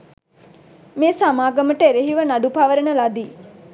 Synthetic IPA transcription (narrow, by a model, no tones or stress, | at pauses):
meːsamaːɡəməʈəeɾeɦiʋənaɖupaʋəɾənəlad̪iː